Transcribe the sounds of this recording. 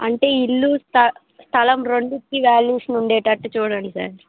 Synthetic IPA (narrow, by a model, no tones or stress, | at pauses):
ɐ̰ɳʈe̞ːilːust̪ɐ | st̪ʰɐlɐmɾoɳɖukːiʋaːljuːʂɐnuɳɖeːʈɐʈːut͡ʃuːɽɐɳɖisa̰ːɾ